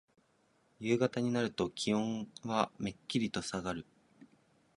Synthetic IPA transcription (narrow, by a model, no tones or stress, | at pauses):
jɯ̟ːɡat̪aɲ̟inaɾɯ̟t̪o̞kʲiõ̞ɰ̃βame̞kʲːiɾʲit̪o̞saɡaɾɯ̟